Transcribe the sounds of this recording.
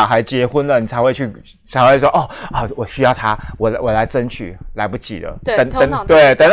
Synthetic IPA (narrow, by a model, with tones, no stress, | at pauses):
xa˧˥ɪt͡ɕjɛ˧˥xu˦ndlə˨ni˨˩t͡sʰa˧˥xwe˥˧ɪt͡ɕʰy˥˩ | t͡sʰa˧ɪxwe˥˩ɪʂ̬wɔ˥ʔɔ˥˩ɔ˥˩wɔ˨˩ɕy˥jɑ˥˩ʊt̪ʰa˥wɔ˨˩wɔ˨˩la˧˥ɪʈ͡ʂə˥nt͡ɕʰy̰˨˩la˧˥ɪpu˥˧t͡ɕḭ˨˩d̪ə̰˦˧ə˨˩ŋə˧˦ŋt̪we˥˩ɪt̪ə˧˩ŋ